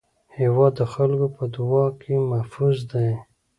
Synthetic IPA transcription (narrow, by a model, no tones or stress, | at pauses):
hewɑd̪ːəxalkopəd̪uwɑkʰemahfuzd̪aj